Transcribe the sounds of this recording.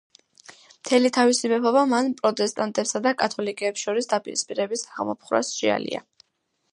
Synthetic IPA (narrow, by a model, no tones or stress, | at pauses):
mt̪ʰɛlit̪ʰavisimɛpʰɔbamanpʼɾɔt̪ʼɛst̪ʼant̪ʼɛpsad̪akʼat̪ʰɔlikʼɛːpsʃɔɾisd̪apʼiɾispʼiɾɛbisaʁmɔ̰pʰχɾa̰sʃḭa̰lḭa̰